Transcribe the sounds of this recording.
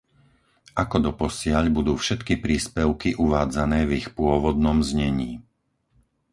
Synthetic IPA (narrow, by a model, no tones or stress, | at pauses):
ʔakɔd̪ɔpɔsɪaʎbud̪uːfʃɛt̪kipɾiːspɛʊkiʔuʋaːd͡zanɛːvixpʊɔʋɔd̪̚nɔmzɲɛɲiː